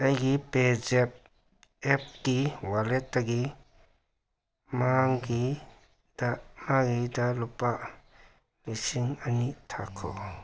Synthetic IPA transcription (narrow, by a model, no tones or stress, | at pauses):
ajɡipezɛp̚ | ɛp̚kiwalɛtːaɡi | maŋɡi | damaɡidalɔpa | lisiŋanitʰakʰɔ̰